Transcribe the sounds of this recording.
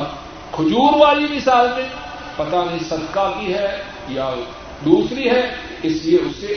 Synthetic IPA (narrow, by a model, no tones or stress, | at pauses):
kʰʊd͡ʒuːɾʋaːlimɪsaːlt̪ẽ | pɐt̪anɐɦĩsɐd̪kakiɦɛ | ja | d̪uːsɾiɦɛ | ɪslieʊsːe